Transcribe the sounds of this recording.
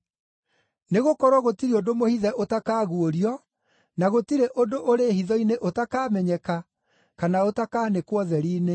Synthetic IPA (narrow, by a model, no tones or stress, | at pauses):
neɣokɔɾwɔɣotiɾeodomohiðɛʔotakaːɣuoɾiɔ | naɣotiɾeʔodoʔoɾehiðɔineʔotakaːmɛɲɛka | kanaotakaːnekwɔðɛɾiːne